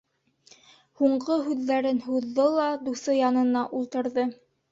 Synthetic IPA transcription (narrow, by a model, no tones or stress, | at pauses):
huɴɢoɦʉðːæɾɘnɦuðːolˠɑd̪usɤjɑnɤ̆nɑʔulˠt̪ɤ̆ɾðɤ